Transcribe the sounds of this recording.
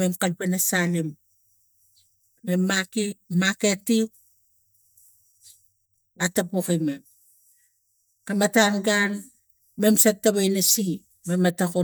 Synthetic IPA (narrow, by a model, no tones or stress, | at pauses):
memkalpenasalim | emːakimaketi | atapokimem | kamatanɡan | me̞msatːaβajnasi | mematako